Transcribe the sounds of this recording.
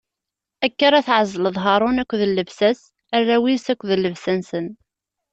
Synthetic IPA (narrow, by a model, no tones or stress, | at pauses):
ækːaɾˤæθʕəzˤːələðˤɦɑɾˤʊnækʷːðəlːəvsæs | ærːæwisækʷːðəlːəvsænsən